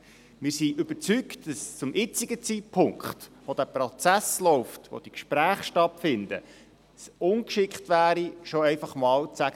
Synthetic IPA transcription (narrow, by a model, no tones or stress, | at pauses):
mɪɾsiʔʏb̥əɾt͡syktd̥ɑst͡sʊmʔɪt͡sɪɡət͡sit̚pʰʊŋkχtʋod̥̪æprot͡sæslɔʊftʋo̰d̥̪ikʃpɾæːχʃtɑtfɪnd̥̪ə | sʊnkʃɪkχtʋæːɾiʃoɛɪfɑχmɑːlt͡sæɡ